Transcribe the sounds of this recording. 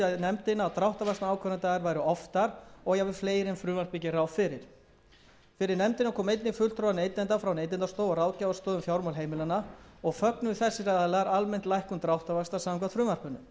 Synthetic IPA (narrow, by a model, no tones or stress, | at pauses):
aðnɛmt̪ɪnawt̪ɾawht̪avast̪aaːwkʰœnant̪aɣaɾvaːjɾʏɔft̪aɾɔɣjavɪ̥fleːjɾɪmfɾʏːmar̥picɪrawfɪɾɪɾ̥ | fɪɾɪɾnɛmt̪ɪnakʰɔːmejt̪nɪfʏlt̪ɾowvaneːjt̪ɪnt̪afɾawneːjt̪ɪnt̪ast̪owɔɾaːwcavast̪oːðʏmfjawɾmɔlɦeːjmɪlanaɔɣfœknʏθɛsːɪraðlaɾalmɛn̥t̪lajhkʏmt̪ɾawht̪avast̪asamŋk̬ʰvat̪fɾʏːmar̥pʏnːʏm